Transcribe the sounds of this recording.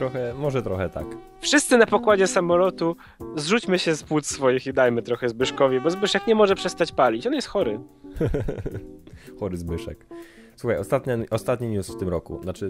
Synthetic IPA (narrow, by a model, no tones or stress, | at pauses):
t̪ɾɔxɛmɔʐɛt̪ɾɔxɛt̪a̰k | fʂɘst̪sɘnapɔkwad͡ʑɛsamɔlɔt̪u | zʐut͡ɕmɘɕɛspwut̪sfɔjixid̪ajmɘt̪ɾɔxɛzbɘʂkɔvʲjɛbɔzbɘʂɛkɲɛmɔʐɛpʂɛst̪at͡ɕpalʲit͡ɕɔnjɛst̪xɔɾɘ | xɔɾɘzbɘʂɛ̰k | swuxajɔst̪at̪ɲaʔɔst̪at̪ɲiɲusft̪ɘmɾɔkṵnat͡ʂɘ